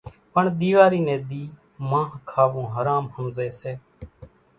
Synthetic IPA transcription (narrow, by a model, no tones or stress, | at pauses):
pəɳɗ̪iːʋaːɾiːnɛ̃ːɗ̪iː | mãːɦkʰaːʋõːɦəɾaːmhəmzeːseː